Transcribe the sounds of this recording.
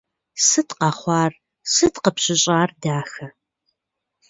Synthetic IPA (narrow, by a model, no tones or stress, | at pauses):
sɨtqɐχʷɑːr | sɨtqəpɕɪɕʼaːrdaːxɐ